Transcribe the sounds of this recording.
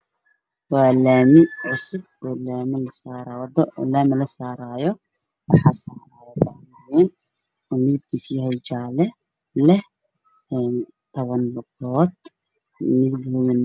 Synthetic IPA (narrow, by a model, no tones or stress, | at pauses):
waːlaːmɪʕʊsʊb̚ɔːlaːmɪlɐsaːɾwd̪ɔlaːmɪlɐsaːɾaːjɔ | wɑħɑːsaːɾaːjɔdɐmawɛn | ɔːnɪɪb̚t̪ʰisiːhɛjt͡ʃaːlɛ | lɛh | ɛːn | t̪ʰɐβɐnbʊɡɔːd̪ | mɪðɡʊɣɪn